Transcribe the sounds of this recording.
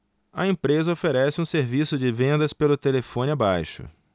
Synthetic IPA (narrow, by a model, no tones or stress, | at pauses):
ɐẽpɾezɐofeɾɛsɪũseɾvisʊd͡ʒɪvẽnd̪ɐspelʊt̪elefõnɪabajʃʊ̰